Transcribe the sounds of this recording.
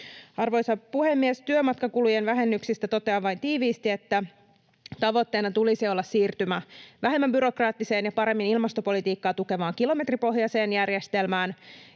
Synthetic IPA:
ɑrʋo̞jsɑpuhe̞mːiest̪yømɑt̪kɑkulujenʋæɦe̞nːyksist̪æt̪o̞t̪e̞ɑʋɑjnt̪iːʋiːst̪ie̞t̪ːæ | t̪ɑʋo̞t̪ːe̞ːnɑt̪ulisio̞lːɑssiːrt̪ymæʋæɦe̞mːæmbyɾo̞krɑːt̪ːise̞ːnjɑpɑɾe̞mːinilmɑst̪o̞po̞lit̪iːkːɑːt̪uke̞ʋɑːŋkilo̞me̞t̪ripo̞ɦjɑse̞ːnjærje̞st̪e̞lmæːn

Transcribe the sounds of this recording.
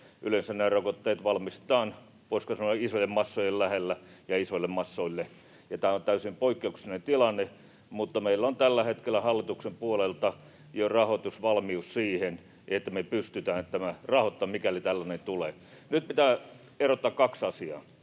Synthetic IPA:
ʔylensænneːrokot̪ːeːt̪ʋɑlmist̪ɑːn | poiskɑsɑnoisojemmɑsːojellæhelːæjɑisoĭlːemmɑsːoilːe | jɑt̪æːont̪æysimpoikːeuksinent̪ilɑnːe | mut̪ːɑmeilːont̪ælːæhet̪kelːˑæhɑlːit̪uksempuolelt̪ɑ | jorɑhot̪usʋɑlmiussiːhen | ʔet̪ːæmepyst̪yt̪æːnt̪ːæmærɑhot̪ːɑmmikælit̪ælːænent̪uleː | nyt̪̚pit̪æː | erot̪ːɑkkɑksɑsiɑ̰ː

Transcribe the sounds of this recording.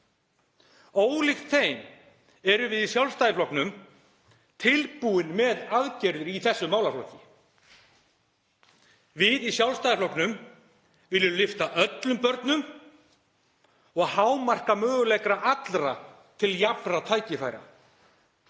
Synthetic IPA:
oːwlɪxt̪θeːjm | ɛɾʏvɪðisjawlst̪ajɪflɔknʏm | t̪ʰɪlpuɪnmɛðaðcɛɾðʏɾiθɛsːʏmaːwlaflɔcːɪ | vɪðisjawlst̪ajɪflɔknʏm | vɪlːʏlɪft̪aʔœt̪lʏmpœɾt̪nʏm | ɔɣhawmar̥kamœːɣʏlɛjkɾaʔat̪lɾa | t̪ʰɪljapɾat̪ʰaːjcɪfaːjɾa̰

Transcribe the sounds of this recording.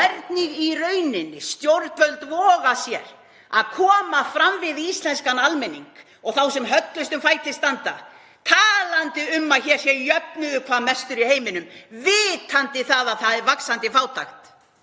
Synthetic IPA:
ɛɾt̪niɣirœɥnɪnːɪst̪jowɾt̪vœlt̪vɔːɣasjɛɾ̥ | aðkʰɔːmafɾamvɪðist̪lɛnskanalmɛnḭŋk | ɔɣθawsɛmɦœt̪lʏst̪ʏmfajt̪ʰɪst̪ant̪a̰ | t̪ʰaːlant̪ɪʏmːaðçɛɾ̥sjɛjœpnʏðʏkʰvamɛst̪ʏɾiheːjmɪnʏmvɪːt̪ʰant̪ɪθaðaðθaðɛɾvaksant̪ɪfaːwt̪ʰa̰xt̪

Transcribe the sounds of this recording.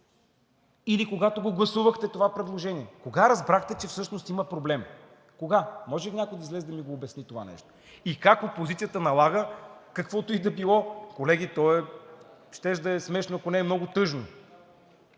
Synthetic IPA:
ilikoɡat̪oɡoɡlˠɐsuvəxt̪ɛt̪ovapɾɛd̪lˠoʒɛniɛkoɡaɾɐzbɾaxt̪ɛt͡ʃɛfsɤʃnost̪iməpɾoblɛm | koɡamɔʒɛliɲʲakʊjd̪ɐizlɛzd̪ɐmiɡoːbɛsnit̪ova̰nɛ̰ʃt̪o̥ | ikakopozit̪sijət̪ənɐlˠaɡəkɐkvɔt̪oid̪ɐbilˠɔkolɛɡʲit̪ɔɛ | ʃt̪ɛʃd̪ɐɛsmɛʃnoɐkonɛːmnɔɡʊt̪ɤʒno

